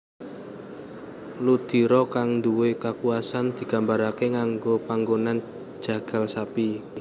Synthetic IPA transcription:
lud̪̥i̤ɾɔkaŋnd̪uwekakuasand̪̥i̤ɡ̥a̤mbaɾakeŋaŋɡopaŋɡonan̥ | ʒ̥a̤ɡ̥a̤lsapi

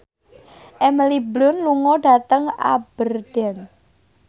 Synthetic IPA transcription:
ʔɛməliblʊnluŋɔɖa̤t̪əŋa̰b̥ərɖ̥ɛn

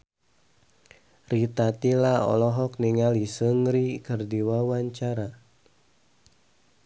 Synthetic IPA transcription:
rit̪at̪ilaɔ̰lɔɦɔk̚niŋalisəŋɾikɨrdiwawaɲt͡ʃaɾa

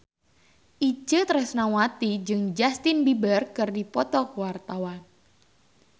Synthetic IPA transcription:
ʔid͡ʒət̪əɾəsnawat̪id͡ʒɨŋd͡ʒast̪ɪnbibərkɨrdipɔt̪ɔkəwart̪awan

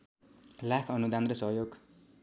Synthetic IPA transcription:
lakʰʌnud̪and̪rʌsʌɦjoɡ

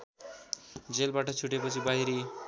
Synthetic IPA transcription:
d͡zelbaʈʌt͡sʰuʈepʌt͡sʰibaɦjɾi

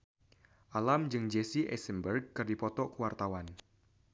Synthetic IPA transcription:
ʔalamd͡ʒɨŋd͡ʒesiʔɛ̰sənbərɡ̚kɨrdipɔt̪ɔkuwart̪awan

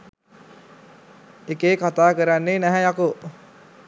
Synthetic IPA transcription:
ekeːkat̪aːkəɾanːenæɦɛjɑku

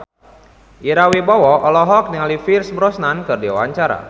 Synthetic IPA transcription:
ʔiɾawibɔwɔʔɔlɔɦɔk̚niŋalifirsbɾɔsnankɨrdiwawaɲt͡ʃaɾa̰

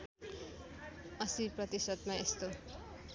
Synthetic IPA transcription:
ʌsiprʌt̪isʌd̪maest̪o

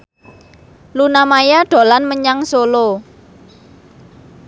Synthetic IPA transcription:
lunamajaɖ̥o̤lanməɲaŋsolo

